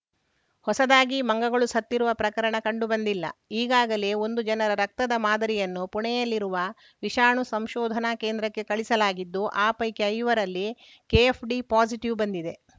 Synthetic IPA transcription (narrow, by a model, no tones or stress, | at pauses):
hɔsɐd̪aːɡimɐŋɡɐɡɐɭusɐt̪ːiɾuʋɐpɾɐkɐɾɐɳɐkɐɳɖubɐnd̪ilːɐ̰iːɡaːɡɐle̞ːo̞nd̪ud͡ʒɐnɐɾɐɾɐk̚t̪ɐd̪ɐmaːd̪ɐɾijɐnːupuɳɛjɐlːiɾuʋɐ | ʋiʃaːɳusɐmʃɔːd̪ʱɐnake̞ːnd̪ɾɐkːe̞kɐɭisɐlaːɡid̪ːuʔaːpɐjkeɐjʋɐɾɐlːi | keepʰɖipaːsiʈiʋbɐnd̪id̪e̞